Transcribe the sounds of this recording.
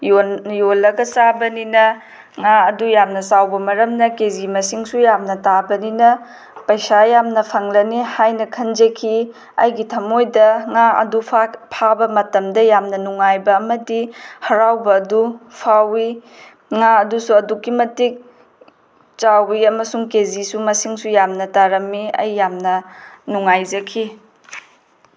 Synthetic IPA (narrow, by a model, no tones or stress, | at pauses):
jojolːɐɡɐt͡ʃabɐninɐ | ŋaɐdujamnɐsawbɐmɐɾɐmnɐkezimɐsiŋsujamnɐtabɐninɐ | pɐjsajamnɐpʰɐŋlɐnihajnɐkʰɐnd͡ʒɐkʰi | ɐ̰jɡitʰɐmojdɐŋaɐ̰dupʰpʰabɐmɐtɐmdɐjamnɐnuŋːajbɐːmɐdihɐɾawbɐːdupʰawi | ŋaɐdusuɐdukːimɐtik̚ | t͡ʃawiɐmɐsuŋkezisumɐsiŋsujamnɐtaɾɐmːiɐ̰jːamnɐnuŋajzɐkʰi